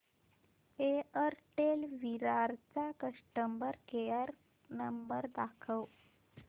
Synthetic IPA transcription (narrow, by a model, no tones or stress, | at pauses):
eəɾʈelʋiɾaɾt͡sakəʂʈəmbəɾkejəɾ | nəmbəɾd̪akʰəw